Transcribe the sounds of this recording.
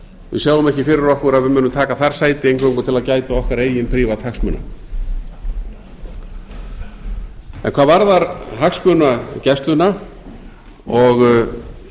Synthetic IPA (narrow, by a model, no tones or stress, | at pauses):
vɪ̰saːɣwʏmɛhcɪfɪɾɪɾɔhkʏɾaðvɪmʏːnːʏmt̪ʰaːkaθaɾ̥saːjt̪ɪejnkʰowŋkʏt̪ʰɪlaðcaːjt̪aɔhkaɾeːjɪnpʰɾiːvat̪haksmʏ̰ːna̰ | ɛ̰nkʰvaːðvaɾðaɾɦaksmœnacɛst̪lʏna | ɔɣ